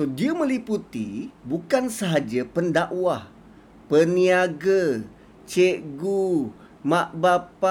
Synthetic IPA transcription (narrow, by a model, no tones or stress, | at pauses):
sodiəmə̃liput̪ibukansəɦad͡ʒapəndaʔwah | pəniaɡə | t͡ʃeʔɡu | maʔbapa